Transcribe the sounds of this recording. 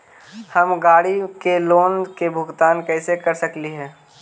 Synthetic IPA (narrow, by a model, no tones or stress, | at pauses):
hɐmɡaːɽikeloːnkebʱʊɡt̪aːnkɛːsekɐɾsəkliɦɛ̃ː